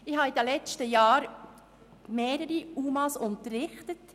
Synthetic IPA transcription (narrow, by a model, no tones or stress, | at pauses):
ɪhɑid̪əlɛt͡stəjɑːɾ | meːɾəɾiuːmɑsʊntərːɪχtət